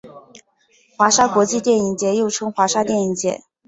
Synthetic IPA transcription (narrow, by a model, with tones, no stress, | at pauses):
xwa˧˥ʂa˥kwɔ˧˥t͡ɕi˥˧t̪jɛ˥˩ni˧˥ŋt͡ɕjɛ˧˥jo˥˩ʊʈ͡ʂʰɤ˥ŋxwa˧˥ʂa˥t̪jɛ˥˩ni˧˥ŋt͡ɕjɛ̰˧˥˦